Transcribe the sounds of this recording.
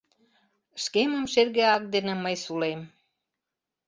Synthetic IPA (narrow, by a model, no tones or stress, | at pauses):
ʃkeməmʃerɣeɑk̚d̪enĕməjsulem